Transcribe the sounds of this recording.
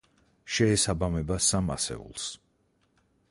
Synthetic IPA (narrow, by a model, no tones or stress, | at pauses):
ʃɛːsabamɛbasama̰sɛ̰ṵlˠs